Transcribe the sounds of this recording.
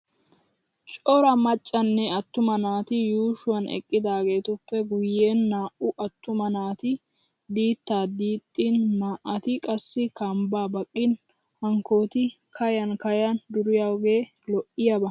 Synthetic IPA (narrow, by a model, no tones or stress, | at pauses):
t͡ʃʼɔɾɐmɐt͡ʃʼːɐnːɛɐt̪ːʊmɐnaːt̪ɪjuːʃʊwɐnɛ̰kʼːɪd̪aːɡe̞ːt̪ʊpːɛɡʊjeːnːaːʔʊʔɐt̪ːʊmɐnaːt̪ɪ | d̪iːt̪ːaːd̪iːt̪ʼːinmaːʔɐt̪ɪkʼɐsːɪkɐmbaːbɐkʼːɪn | hɐŋko̞ːt̪ɪkʰɐjɐnkɐjɐnd̪ʊɾɪjaɡeː | lɔʔɪjɐbɐ